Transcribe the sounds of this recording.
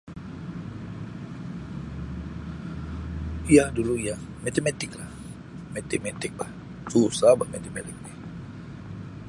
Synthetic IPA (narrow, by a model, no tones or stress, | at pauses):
ijahduluijah | met̪emet̪ɪklah | met̪imet̪ɪk̚lah | susabaʔmet̪emelɪk̚ni